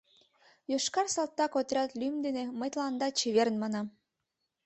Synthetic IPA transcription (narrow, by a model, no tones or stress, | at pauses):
joʃkɑrsɑlt̪ːɑkot̪ɾʲɑt̪lʲymd̪eneməjt̪lɑnd̪ɑt͡ɕeβeɾnmɑnɑm